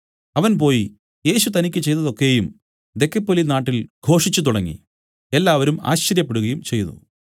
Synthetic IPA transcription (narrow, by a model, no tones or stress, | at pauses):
ɐʋɐnpo̞ːji | je̞ːɕut̪ɐnikʲːɨt͡ɕe̞jt̪ɐðo̞kːe̞jum | d̪e̞kːɐpːolinaːʈːilɡʱo̞ːʂit͡ɕːut̪uɽɐŋːḭ | e̞lːaːʋɐɾuma̰ːɕt͡ɕɐɾjɐpːe̞ɽuɣɐjumt͡ɕe̞jnṵ